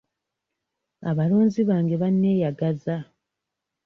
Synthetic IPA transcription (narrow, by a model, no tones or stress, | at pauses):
a̰βaloːnziβaːŋɡe̞βanːe̞ːjaɡaza